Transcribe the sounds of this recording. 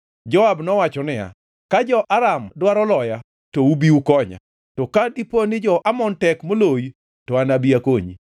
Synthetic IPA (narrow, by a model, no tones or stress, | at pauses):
d͡ʒɔabnɔwat͡ʃɔnɪja̰ | kad͡ʒɔʔaɾamdwaɾɔlɔja | toubiukɔɲa̰ | tɔkadiponɪd͡ʒɔʔamɔntɛkmoloj | tɔanabiakoɲḭ